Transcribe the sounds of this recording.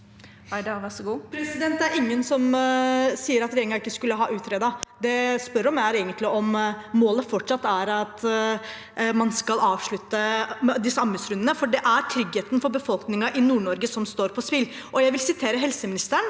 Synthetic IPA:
ædɑʋæsɔɡuːpʰɾɛsɪd̪ɛnt̪d̪æɾɪŋːənsɔm | siːəɾɑt̪ɾeːŋɑɾɪkːəskʉlːəɦɑ̰ːʔʉːt̪ʰɾeːd̪ɑd̪ɛspœɾɔmææɾeːɡənt̪ʰlɪʔɔmːoːləfɔʈʂɑt̪ːæɾɑt̪ | mɑnskɑlɑːʋʂɭʉt̪ːəd̪ɪsːəɑməsɾʉnənəfɔɖɛʔæɾʈ̪ʰɾʏɡheːt̪ənfɔɾbəfɔlknɪŋɑʔɪnuːɳɔɾɡəsɔmst̪oːɾpʰɔspɪlː | ʔɔjæɪʋɪlsɪt̪ʰeːɾəɦɛlsəmɪnɪst̪əəɳ

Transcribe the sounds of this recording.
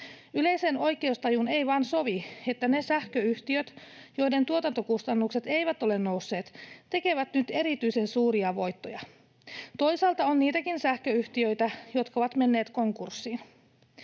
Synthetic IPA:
yle̞jseno̞jke̞ust̪ɑjune̞jʋɑːnso̞ʋie̞t̪ːæne̞sæhkøyht̪iøt̪jo̞jde̞nt̪uot̪ɑnt̪o̞kust̪ɑnːukse̞t̪e̞jʋæt̪o̞le̞nːo̞wsːe̞ːt̪t̪e̞ke̞ʋæt̪nyt̪e̞ɾit̪yjse̞nsuːɾiɑʋo̞jt̪ːo̞jɑ | t̪o̞jsɑːlt̪ɑonːniːt̪ækinsæhkøyht̪iø̞jt̪æjo̞t̪kɑoʋɑt̪me̞nːe̞ːt̪ko̞ŋkursːiːn

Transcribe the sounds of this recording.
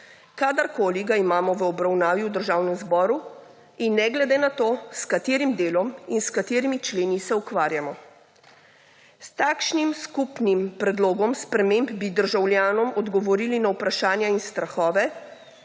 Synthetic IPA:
kaːd̪əɾkoːliɡaimaːmɔʋəɔbɾawnaːʋiwd̪əɾʒaːwnɛmzbɔːɾu | inːɛɡlɛd̪enat̪oːskat̪eːɾimd̪eːlɔminskat̪eːɾimit͡ʃleːnisɛukʋaːɾjamɔ | st̪aːkʃnimskupnimpɾɛd̪loːɡɔmspɾɛmembbid̪əɾʒawljaːnɔmɔd̪ɡɔʋɔɾiːlinawpɾaʃaːnjainst̪ɾaxɔːʋɛ

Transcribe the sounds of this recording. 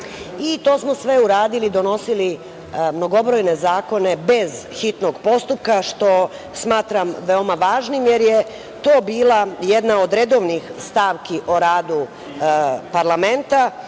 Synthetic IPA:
it̪o̞ːsmo̞sʋe̞uɾaːd̪ilid̪o̞no̞sili | mnoɡo̞bɾo̞jne̞zaːko̞ne̞be̞zxit̪no̞ɡpo̞st̪up̚kaʃt̪o̞ | smaːt̪ɾamʋeo̞maʋaːʒnimjeɾje | t̪o̞ːbiːlˠajed̪nao̞d̪ɾed̪o̞ːʋnixst̪aːʋkiʔoɾaːd̪u | paɾlˠame̞nt̪a

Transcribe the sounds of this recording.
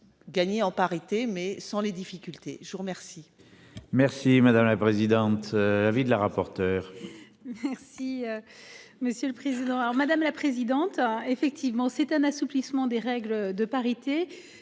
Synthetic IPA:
ɡaɲeɑ̃paʁit̪emɛsɑ̃led̪ifikʲylt̪eʒəvuʁəmɛʁsi | mɛʁsimad̪amlapχezid̪ɑ̃t̪avid̪əlaʁapɔʁt̪œːʁ | mɛʁsiøməsjøləpχezid̪ɑ̃alɔʁmad̪amlapχezid̪ɑ̃t̪efɛk̚t̪ivmɑ̃sɛt̪ɛ̃nasuplismɑ̃d̪eʁɛɡləd̪əpaʁit̪e

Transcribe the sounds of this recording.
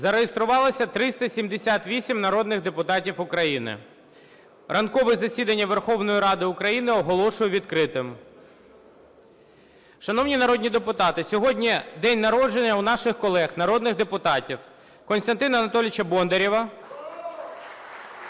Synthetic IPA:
zɐɾejest̪ɾʊʋɑlˠɪsʲɐt̪ɾɪst̪ɐsʲimd̪esʲat̪ʋʲisʲimnɐɾɔd̪nɪɣd̪epʊt̪ɑtʲiwʊkɾɐjinɪ̰ | rʔɐnkɔʋɪzɐsʲid̪ɐnʲːɐʋerxɔwnɔjiɾɑd̪ɪʊkɾɐjinɪɔɦɔlˠɔʃʊjʊʋʲid̪kɾɪt̪ɪm | ʃɐnɔwnʲinɐɾɔd̪ʲnʲid̪epʊt̪ɑt̪ɪsʲɔɦɔdʲnʲid̪ɛnʲnɐɾɔd͡ʒenʲːɐwnɑʃɪxkɔlˠɛxnɐɾɔd̪nɪɣd̪epʊt̪ɑtʲiw | kɔnst̪ɐnt̪ɪnɐɐnɐt̪ɔlʲɪt͡ʃɐbɔnd̪eɾʲiʋɐ

